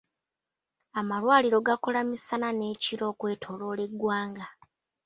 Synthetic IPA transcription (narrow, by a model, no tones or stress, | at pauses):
amalwaːliɾo̞ɡako̞lamisanane̞ːciɾo̞ːkwe̞ːtʰo̞lo̞ːle̞ɡwaːŋɡa